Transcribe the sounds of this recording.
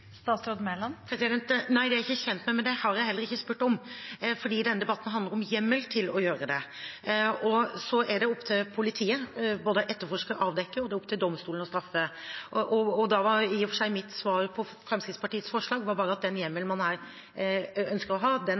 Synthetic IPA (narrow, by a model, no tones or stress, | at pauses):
st̪ɑːt̪sɾod̪mɛlɑnpʰɾɛsɪd̪ɛnt̪næɪd̪ɛæɾɪçːəçɛnt̪mæɪmɛnd̪ɛhɑɾjæɪhɛlːəɾɪçːəspʉʈːɔmfɔɖiːd̪ɛnːəd̪ɛbɑt̪ːn̩ɦɑnd̪əɾɔmjɛmːəlt̪ʰɪlɔjøːɾəd̪ɛ | ɔsɔʔæɖɛɔpːt̪ʰɪlpʰʊlɪt̪ʰiːəboːd̪əʔɛt̪ːəɾfɔʂkəʔɑːʋd̪ɛkːəɔd̪ɛɔpːt̪ʰɪld̪ɔmst̪uːlən̩ɔst̪ɾɑfːəʔʔɔɔd̪ɑʋɑɾiɔfɔʂæɪmɪt̪sʋɑːɾpʰɔ | fɾɛmskɾɪt̪spʰɑʈiːət̪sfɔʂɭɑːɡʋɑɾbɑːɾəɑt̪̚d̪ɛnjɛmːəlmɑnhæːɾ | œnskəɾɔɦɑːd̪ɛn